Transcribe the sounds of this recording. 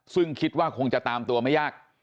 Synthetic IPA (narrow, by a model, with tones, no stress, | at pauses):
sɯ˥˩ŋkʰi˦t̪̚waː˥˩kʰo˧ŋt͡ɕa˨˩t̪aː˧mt̪u˧ɐma˥˩jaː˥˩k̚